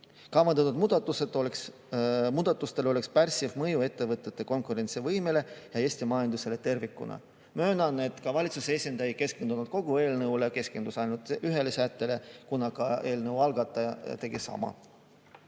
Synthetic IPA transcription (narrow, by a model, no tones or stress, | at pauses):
kɑmɑnd̪ɑt̪ːud̪muːd̪ɑt̪ːˑuset̪ːˑoleks | muːd̪̥ɑt̪ːˑust̪e̞lo̞le̞kspærsivmɤjue̞t̪ːe̞vɤt̪ːˑe̞t̪ːe̞ko̞nkuɾe̞nt̪sivɤjmele̞jɑe̞sʲt̪imɑjɑnd̪use̞le̞t̪e̞rvikːˑṵnɑ̰ | møːnɑnet̪ːˑkɑvɑlʲit̪susesʲind̪ɑjke̞skend̪unud̪̥ko̞ɡ̥ue̞ːlnɤule̞ke̞ske̞nd̪̥usɑjnult̪ˑyɦe̞le̞sæt̪ːe̞le̞kunɑkɑe̞ːlnɤwɑlɡɑt̪ˑːɑjɑt̪e̞ɡisɑ̰mɑ̰